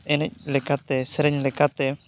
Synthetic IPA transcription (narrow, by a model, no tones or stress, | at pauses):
ɛnɛc̚ˀlɛkat̪ɛsɛɾɛɲlɛkat̪ɛ